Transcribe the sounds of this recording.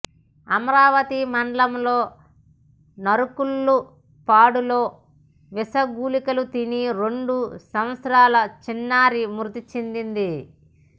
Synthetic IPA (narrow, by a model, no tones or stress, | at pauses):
ɐmɐɾaːʋɐt̪imɐɳɖɐlɐmloː | nɐɾukulːu | paːɽuloː | ʋisɐɡuːlikɐlut̪iniɾeɳɖusɐmɐt̪sɐɾaːlɐt͡ʃinːaːɾimuɾt̪it͡ʃind̪ind̪i